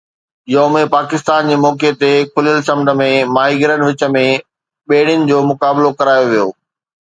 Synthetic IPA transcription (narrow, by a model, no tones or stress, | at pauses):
ɪjomẽpaːkɪst̪aːnd͡ʑeːmɔːket̪ekʰʊljəlsɐ̃mnə̆mẽmaːɦiɡɪɾənʋɪt͡ɕə̆mẽ | ɓeːɽ̤ɪjʊnɪ̆d͡ʑoːmʊkaːblokɐɾaːjoʋijoː